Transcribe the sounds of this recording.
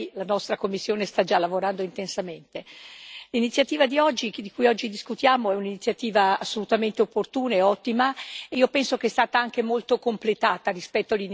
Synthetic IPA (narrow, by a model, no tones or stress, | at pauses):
lanɔst̪ɾakomːisːjoːnest̪ad͡ʒalːavoɾand̪oint̪ensament̪elinit̪sːjat̪iːvad̪iɔd͡ʒːid̪ikujɔd͡ʒːid̪iskut̪jaːmoɛuninit̪sjat̪iːvaasːolut̪ament̪eopːort̪uːnaeɔt̪ːimaeiːopɛnsok̟eɛst̪aːt̪aaŋk̟emolt̪okomplet̪aːt̪arispɛt̪ːoalin